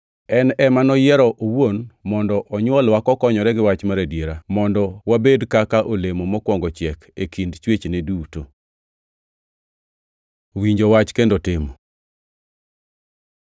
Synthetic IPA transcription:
ɛnɛmanɔjɛɾɔʔowonmɔndɔʔɔɲwɔlwakɔkɔɲɔɾɛɡɪwat͡ʃmaɾadjeɾamɔndɔwabedkakaʔolemomɔkwɔŋɡɔt͡ʃɪɛkekindt͡ʃwet͡ʃneduto | wiɲd͡ʒowat͡ʃkendotɪmo

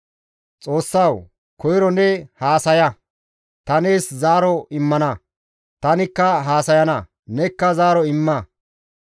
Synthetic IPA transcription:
t͡sʼo̞ːsːɐw | kʰɔjɾɔnɛhaːsɐjɐ | t̪ɐneːszaːɾɔɪmːɐnɐ | t̪ɐnɪkːɐɦaːsɐjɐnɐ | nɛkːɐzaːɾɔɪmːɐ

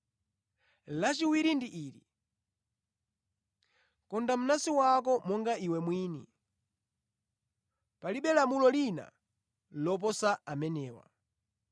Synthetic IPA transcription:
lat͡ʃiwiɾindiʔiːɾḭ | kɔndam̩nasiwak̬ɔmɔŋɡaiwɛmwiːnḭ | paliɓɛlamulɔlina̰ | lɔp̬ɔsaamɛnɛːwa̰

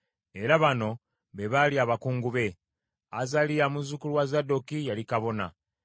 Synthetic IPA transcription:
e̞ɾaβano̞ | βe̞βaliaːβakuːŋɡuβe̞ | a̰zalijamuzukulwazadokijalikaβo̞na̰

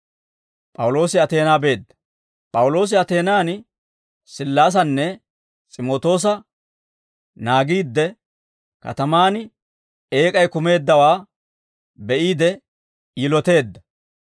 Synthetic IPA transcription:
pʼɐwʊlo̞ːsɪɐt̪e̞ːnaːbe̞ːd̪ːɐ̥ | pʼɐwʊlo̞ːs̬ɪɐt̪e̞ːnaːn | sɪlːaːs̬ɐnːɛ | t͡sʼɪmo̞ːt̪o̞ːs̬ɐ | naːɡiːd̪ːɛ | kɐ̰t̪ɐmaːnɪ | eːkʼɐjkʊme̞ːd̪ːɐwaː | bɛʔiːd̪ɛː | lɔt̪e̞ːd̪ːɐ

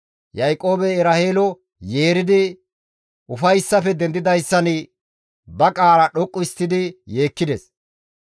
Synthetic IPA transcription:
jɐjkʼːo̞ːbɛɛɾɐheːlɔ | je̞ːɾɪd̪ɪ | ʊfɐjsːɐfɛd̪ɛnd̪ːɪd̪ɐjsːɐnɪ | bɐkʼaːɾɐɗɔkʼːʊɪst̪ːɪd̪ɪje̞ːkːɪd̪ɛs

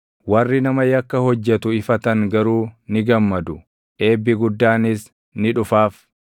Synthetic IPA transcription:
wɐrːɪnɐmɐjɐkːɐhɔd͡ʒːɛt̪ʊɪfɐt̪ɐŋɡɐɾuːnɪɡɐmːɐd̪ʊ | ʔe̞ːbːɪɡʊd̪ːaːnɪs | nɪᶑʊfaːf

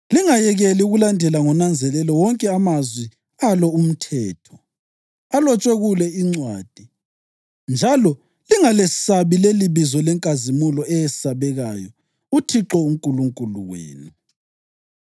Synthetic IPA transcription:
liŋajɛɣɛliuɣulandʱɛlaŋɔnand͡zʱɛlɛlɔwɔŋkʼɛamazwi | alɔum̩tʰɛːtʰɔ̥ | alɔt͡ʃʼweɣulɛiŋ͡ǀwaːd̥ʱi | nd͡ʒʱalɔ | liŋalesaβileliβizɔlɛŋkʼazimulɔʔɛjɛsaβɛɣajɔ | utʰiǁɔuŋkʼuluŋkʼulṵɣwḛːnu

